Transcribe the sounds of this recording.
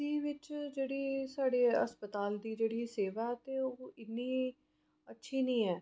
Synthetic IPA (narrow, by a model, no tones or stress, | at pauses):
iːʋɪt͡ʃd͡ʒeːɽiːsaːɽeːə̰spət̪aːld̪iːd͡ʒeːɽiːseːʋaːɛːt̪eːoːɪnːiː | ətːʃʰiːnĩːɛː